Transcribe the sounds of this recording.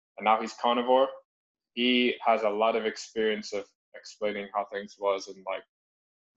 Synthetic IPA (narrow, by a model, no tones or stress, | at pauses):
ɨ̃nːaʊiz̥kʰɑñɨvɔɹ | hiəzəlɔɾʌvɨkspɪɹiɨ̃nsʌv̥ | ɨksplẽɪ̃nɪ̃ŋhaʊθɪ̃ŋzwʌzɨ̃nlaɪk̚